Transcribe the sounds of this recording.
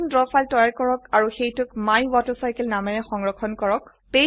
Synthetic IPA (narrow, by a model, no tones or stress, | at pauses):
ndɹɔfaltɔjaɹkɔɹɔkaɹuxejtʊkmajwɔtɔsajkɛlnamɛnɛxɔŋɹɔkʰɔnkɔɹɔk | pe